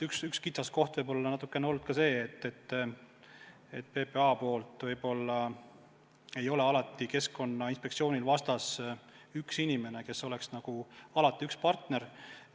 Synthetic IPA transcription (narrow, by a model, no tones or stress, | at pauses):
yksykskit̪sɑsko̞ht̪vɤjbo̞lːɑnɑt̪ːˑukːˑeneo̞lːud̪̥kɑse̞ːt̪ːet̪ː | et̪ːˑpe̞pe̞ɑːpo̞ːlt̪ˑvɤjbo̞lːɑ | e̞jo̞le̞ɑlɑt̪ːˑike̞sko̞nːɑinspe̞k̚tsio̞ːnʲilvɑst̪ɑs | yksinʲime̞ne̞ke̞so̞le̞ksnɑɡ̥uɑlɑt̪ːˑiykspɑrt̪ne̞ɾ